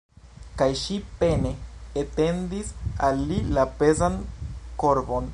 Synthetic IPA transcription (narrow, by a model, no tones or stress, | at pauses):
kajʃipe̞ne̞ːte̞ndisalːilape̞zanko̞ɾbo̞n